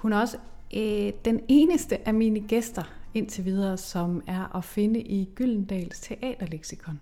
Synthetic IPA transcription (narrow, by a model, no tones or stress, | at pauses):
hunæɐɒ̽sə | d̥ene̝ːnəsd̥əʔæmiːnəɡ̥esd̥ɐe̝n̰t͡sʰe̝ʋiːð̞ˠɐːsɒ̽mæɐʔɒfe̝nəʔiɡ̥yl̰n̩d̥ɛ̰ːlst͡sʰe̝ʔɛ̰ːd̥ɐleɡ̥sikʰɒ̽n